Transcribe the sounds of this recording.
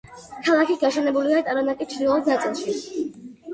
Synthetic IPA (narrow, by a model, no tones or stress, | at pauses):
kʰalˠakʰiɡaʃɛnɛbuliat̪ʼaɾɔnat̪ʼit͡ʃʰd̪ilˠɔd̪nat̪sʼilˠʃi